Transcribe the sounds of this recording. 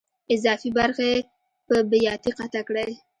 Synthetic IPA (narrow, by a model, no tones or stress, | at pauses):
ɪzɑfibaɾxe | pəbɪjɑt̪iqat̪akɽaj